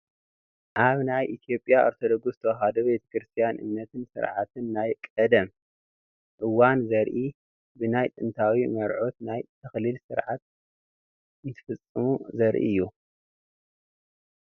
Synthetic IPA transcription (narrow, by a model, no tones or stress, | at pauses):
ʔaβnajʔit̪ʰjo̞pʼjao̰ɾt̪ʰo̞d̪oɡusɨt̪ʰɐwɦad̪obet̪ʰɐ̥kɾɨst̪ʰijanʔɨ̰mnːɐt̪ʰɨnsɨ̰ɾʕat̪ʰɨnːajkʼɐd̪ɐm | ʔɨwanzɐɾʔi | bɨnajt̪ʼɨnt̪ʰawimɐɾʕot̪najt̪ʰɐxlilsɨɾʕat̪̚ | ɨnt̪ʰɨ̥fɐt͡sʼːɨmuzɐɾʔḭɨjːu